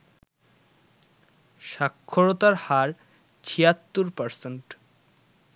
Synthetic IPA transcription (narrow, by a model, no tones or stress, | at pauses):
ʃakʰːoɾot̪aɾhaɾ | t͡ɕʰijat̪ːuɾpaɾsenʈ